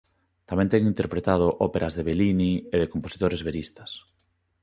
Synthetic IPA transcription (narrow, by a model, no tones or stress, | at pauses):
t̪amɛ̃nt̪ɛŋĩnt̪eɾpɾet̪að̞oʔɔpeɾʔɐzðeβelinieðekomposi̥t̪oɾezβeɾist̪ɐs